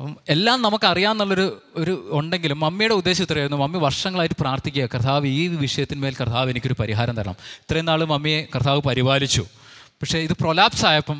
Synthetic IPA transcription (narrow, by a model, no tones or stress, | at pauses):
e̞lːaːmnɐmukːɐrijaːnnːɐɭːo̞ɾu | oɾuoɳɖe̞ŋɡilumːɐmːijuɽe̞ud̪ːe̞ːɕɐut̪ːɐrɐjɾunːumɐmːiʋɐrʂɐŋːɐɭaːjiʈːɨ̥praːrt̪ʰikʲːujɐkrɐt̪ʰaːʋiːʋiʂɐjɐt̪ːinɨme̞ːlkrɐt̪ʰːaːʋenikʲːo̞ɾupɐɾiɦaːɾɐmt̪ɐɾɐ̰ɳɐ̰mi̥t̪rɐjenːaːɭɨmɐmːijekrɐt̪ʰaːʋɨpɐɾibaːlit͡ɕːu | pɐkʂe̞iðɨpro̞laːpsaːjɐpːɐm